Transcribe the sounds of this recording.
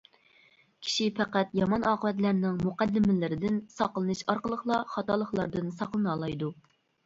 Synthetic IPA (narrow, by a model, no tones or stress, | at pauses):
kʲʰi̥ʃipæqæt̪jɑmɑnɑːqəwɛt̪læɾnɪŋmuqæd̪ːɪmɪlɪɾɪd̪ɪnsɑqlˠɨnɨʃɑɾqəlˠəχlˠɑχɑt̪ɑlˠəχlˠɑɾd̪ɨnsɑqlˠɨnɑlˠɑjd̪u